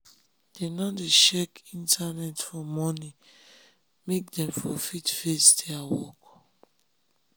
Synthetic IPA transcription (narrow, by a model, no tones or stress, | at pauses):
d̥enɔdeʃɛkĩntʰanɛtfɔmɔni | mek̚dɛ̃mfɔfitfestʰeawɔ̰k